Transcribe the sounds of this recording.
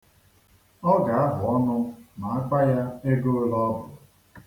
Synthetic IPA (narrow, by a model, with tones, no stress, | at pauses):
ɔ˦ɡa˨a˦ɦʊ˨ɔ˦nʊ˦na˨a˦k͡pa˦ja˦e˦ɡo˦o˦lɔ˦bʊ̰˨